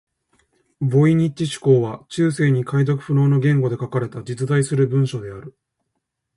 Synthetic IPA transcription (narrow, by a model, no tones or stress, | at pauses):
bo̞iɲ̟it͡ɕːiɕi̥ko̞ːβat͡ɕɨːse̞ːɲ̟ikaid̪okɯ̟̥ɸɯ̟no̞ːno̞ɡẽ̞ŋɡo̞d̪e̞kakaɾe̞t̪ad͡ʑit͡sɨd̪aisɨɾɯ̟bɯ̟̃ɰ̃ɕo̞d̪e̞aɾɯ̟